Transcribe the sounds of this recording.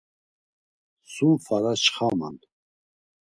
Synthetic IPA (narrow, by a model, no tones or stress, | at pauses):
sufaɾat͡ʃχama̰n